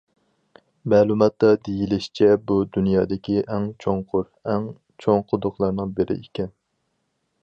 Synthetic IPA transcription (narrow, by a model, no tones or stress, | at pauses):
mɛːlˠumɑt̪ːɑd̪ejilɪʃt͡ʃʰɛbud̪unjɑːd̪ɪkʲʰiʔɛŋt͡ʃʰoŋqʰʊɾ | ɛŋ | t͡ʃʰoŋqʰʊd̪ʊqlˠɑɾnɨŋbɪɾɪ̰ʔekʲɛn